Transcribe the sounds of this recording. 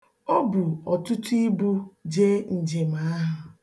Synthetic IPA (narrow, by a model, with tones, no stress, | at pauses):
o˦bʊ˨ɔ˨tʊ˦tu˦i˦bu˦d͡ʒe˦n̩˨d͡ʒe˨ma˨a˦ɦʊ˨